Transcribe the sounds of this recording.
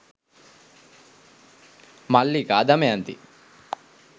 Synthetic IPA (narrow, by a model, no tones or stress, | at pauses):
malːiɡaːd̪ɐmeɐnt̪ḭ